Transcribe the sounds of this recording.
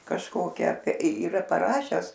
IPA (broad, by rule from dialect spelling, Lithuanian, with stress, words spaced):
kɐʃˈkoːkʲɛ iːˈrɐ pɐˈrɑːʃʲɛs